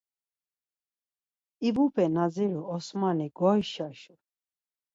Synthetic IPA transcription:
ibupʰʼɛnad͡ziɾuɔsmaniɡɔjʃaʃu

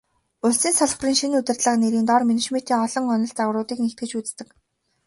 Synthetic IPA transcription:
ʊɮsiːnsɔɮχpriːŋʃinut̪ʲɘ̆rt̪ɮə̆qneɾiːnt̪ɔrmenet͡ɕmet̪iːŋɔɮɞ̆ŋɔnɞ̆ɬt͡sawrɾʊːt̪iːknext̪̚ɡɘ̆t͡ɕut͡sst̪ɘ̆k

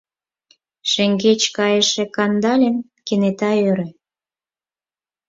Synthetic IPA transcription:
ʃĕŋɡet͡ɕkɑjəʃĕkɑnd̪ɑlʲə̆nkenet̪ɑøɾĕ

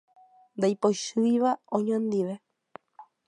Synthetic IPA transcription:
nd̪ajpojʃɨjʋaõɲõnd̪iʋe̞

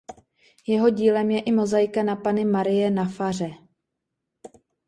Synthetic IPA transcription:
jɛɦo̞ɟiːlɛmjɛʔɪmo̞zajkanapanɪmaɾɪjɛnafar̝ɛ

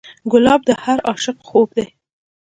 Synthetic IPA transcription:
ɡʊlɑb̚d̪əhaɾɑʃɪqxobd̪e

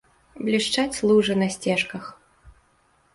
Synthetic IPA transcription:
blʲiʂt͡ʂat͡sʲslˠuʐɨnɐsʲt͡sʲɛʂkɐx

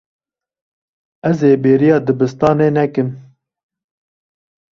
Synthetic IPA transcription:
ɛzeːbeːɾijɑːd̪ɨbɨst̪ɑːneːnɛkɨm

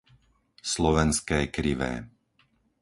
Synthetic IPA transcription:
slɔʋɛnskɛːkɾiʋɛ̰ː

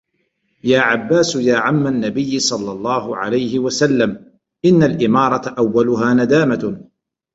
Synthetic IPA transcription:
jaːʕabːaːsjaːʕamːanːabɪjːɪsˤɑlːɑlˤːɑːɦʊʕa̰lajhɪwasalːam | ʔɪnːalʔɪmɑːɾˤɑt̪aʔawːalʊɦaːnad̪aːma

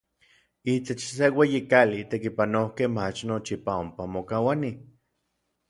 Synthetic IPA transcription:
it̪et͡ʃsewejikalit̪ekipanokehmat͡ʃnot͡ʃipaompamokawani

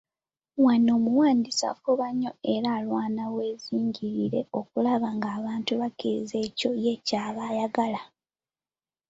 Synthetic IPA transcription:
wano̞ːmuwaːndisa̰fuβaɲːo̞e̞ɾaːlwaːnawe̞ːziːɲɟiɾiɾe̞̰o̞kulaβaŋɡaːβaːntuβakize̞ːco̞je̞caːβajaɡala

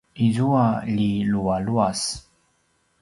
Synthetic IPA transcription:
izuaʎilualuas

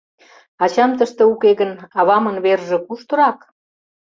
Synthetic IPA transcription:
ɑt͡ɕɑmt̪əʃt̪ĕukeɣə̆nɑβɑmə̆nβerʒĕkuʃt̪ɤ̆ɾɑk

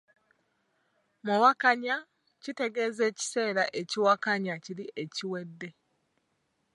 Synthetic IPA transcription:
muwakaɲa | cite̞ɡe̞ːze̞ːci̥se̞ːɾaʔe̞ciwakaɲaciɾiʔe̞ciwe̞dːe̞

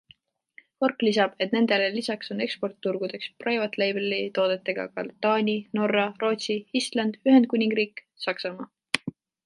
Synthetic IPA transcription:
ko̞rkːlisɑb̥e̞t̪ne̞nd̪̥e̞lelisɑkso̞ne̞kspo̞rt̪ːuɾɡ̥ud̪̥e̞ksprojvɑt̪ːˑlejbelit̪o̞ːd̪et̪ːˑe̞ɡ̥ɑ̰kɑ̰lt̪ːɑːnʲino̞rːɑro̞ːt̪siist̪lɑnd̪̥yɦend̪̚kunʲiŋɡ̥riːk | sɑksɑmɑː

